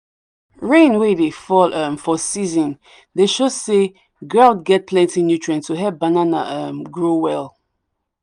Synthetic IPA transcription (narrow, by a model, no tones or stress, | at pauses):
ɹẽnwedefɔlʌ̃mfɔsizɔ̃n | deʃose | ɡɹaʊdɡɛt̚pʰlɛ̃ntinjut͡ʃɹɛ̃nstʰuɦɛp̚banana̰ʔãmɡɹowɛlˠ